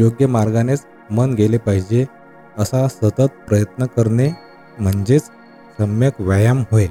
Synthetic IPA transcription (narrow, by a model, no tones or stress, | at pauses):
joɡjəmaɾɡanet͡s | mənɡelepaɦid͡ʑe | əsasət̪ət̪̚pɾəjət̪nəkəɾne | m̤əɳd͡ʑet͡s | səmjəkʋjajamɦoe